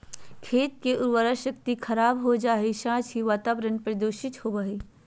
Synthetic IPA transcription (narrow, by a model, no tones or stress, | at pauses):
kʰeːt̪̚keʔʊɾʋəɾaʃɐkt̪ikʰɐɾaːbɦod͡ʒaːɦeʃãːt͡ʃɦiʋaːt̪aːʋɾənpɾɐd̪oːʃɪt̪hobɐɦeː